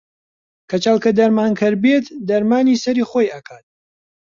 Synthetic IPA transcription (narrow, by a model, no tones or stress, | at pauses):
kʰɐt͡ʃɐlˠkɐd̪ɐɾmaːnkʰɨɾbet̪d̪ɐɾmaːniːsɐɾiːχoːjɐkʰaːt̪̚